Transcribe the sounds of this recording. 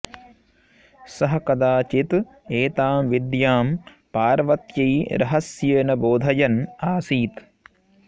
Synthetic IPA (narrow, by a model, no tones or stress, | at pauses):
sɐɦɐ̆kɐd̪aːt͡ʃit̪ | eːt̪aːmʋid̪jaːm | paːɾʋɐt̪jɐjɾɐ̰ɦɐsjeːnɐboːd̪ʱɐjɐnaːsiːt̪